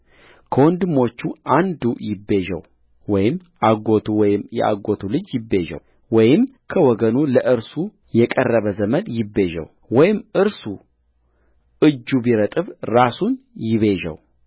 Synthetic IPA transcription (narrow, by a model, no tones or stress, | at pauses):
kʰəwɔnd̪ɨmo̞t͡ʃːuʔand̪ujɪbːe̞ʒə̰w | wɔjɪmːʔaɡo̞t̪ʰuwɔjɪmjɛ̰ʔa̰ɡot̪ʰulɨd͡ʒjɪbːe̞ʒə̰w | wɔjɪm | kʰəwɔɡənuləʔɨɾsu | jɛkʼərːəβəzəməd̪jɪbːe̞ʒə̰w | wɔjɪmʔɨɾsu | ʔɨd͡ʒːubiɾət̪ʼɨβɾasunjɪβe̞ʒɛ̰w